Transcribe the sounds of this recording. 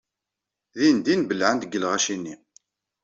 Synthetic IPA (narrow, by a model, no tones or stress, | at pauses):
ðind̪inbəlːʕənd̪əɡəlʁæʃinːi